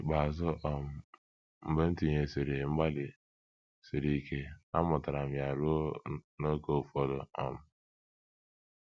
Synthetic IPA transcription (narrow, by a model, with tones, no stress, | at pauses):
ɡ͡ba˨zʊ˦ʔɔ˨m̩˦ | m̩˨be˦n̩˦ti˨ɲe˨si˨ɾe˨ŋ͡m̩˦ɡ͡ba˦lɪ˨ | si˨ɾi˦ke˦a̰˦mʊ˨ta˨ɾa˨m̩˨ja˨ɾu˦no˦ko˦˨fɔ˦dɔ˨ɔ̰˦m̩˦